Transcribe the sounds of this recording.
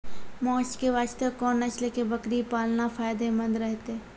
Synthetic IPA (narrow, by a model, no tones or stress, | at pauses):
mɔːt͡ʃkeʋaːt͡ʃt̪əkɔːnat͡ʃlekebɐkɾipaːlnafaːjd̪emɐ̃nd̪ɾɛɦt̪e